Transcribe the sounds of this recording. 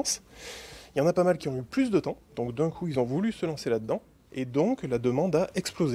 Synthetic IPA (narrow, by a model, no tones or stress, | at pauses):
s | iljɑ̃napamalkʲiɔ̃yplys̬d̪ət̪ɑ̃d̪̥ɔ̃kd̪ɛ̃kʰuilzɔ̃vulysəlɑ̃selad̪əd̪ɑ̃ | ed̪ɔ̃klad̪əmɑ̃d̪aʔɛksploze